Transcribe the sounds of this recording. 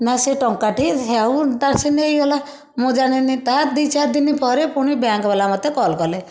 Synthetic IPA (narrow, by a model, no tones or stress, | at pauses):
naseʈɔŋkaʈiɦaut̪aɾsenejɡɔla | mõd͡ʒaɽ̃init̪ad̪it͡ʃaɾd̪inipɔɾepuɽ̃ibjaŋkɔbalamɔt̪ːekɔlkɔle